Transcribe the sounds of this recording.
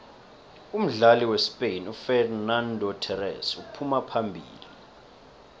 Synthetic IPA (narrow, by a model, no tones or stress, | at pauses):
um̩ɮaliwespʼejnufɛrnandʱɔtʰɛrɛ̰supʰumapʰambʱḭːli